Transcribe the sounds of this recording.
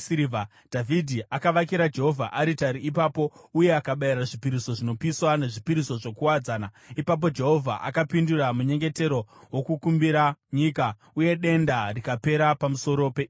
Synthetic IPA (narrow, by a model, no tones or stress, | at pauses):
siiva | d̥ʱavʱidʱiakaʋakiɾad͡ʒe̞ɦo̞vʱa̰ʔaɾitaɾiːpaːpo̞uje̞akaɓaiɾaʐipiɾiso̞ʐino̞piswane̞ʐipiɾiso̞ʐo̞kuwad͡zaːna | ipap̬o̞d͡ʒe̞ɦo̞vʱa̰ʔa̰kapinduramuɲe̞ŋɡe̞te̞ɾo̞wo̞kukumbiɾaɲika | uje̞ɗe̞ndarikape̞ɾapamuso̞ɾo̞pe